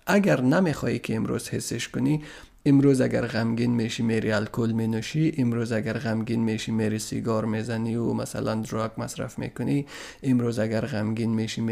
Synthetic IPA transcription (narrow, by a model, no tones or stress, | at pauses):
aɡaɾname̞χɔikʰiːmɾṵz̥hesːeʃkuni | imɾuzaɡaɾʁamɡinmeʃimeɾialkʰulmenuʃiʔimɾuzaɡaɾʁamɡinmeʃimeɾisḭɡɔɾmezaniumasa̰land̪uɾɔɡmasɾa̰fmḛkuni | imɾuzaɡaɾʁamɡinmeʃim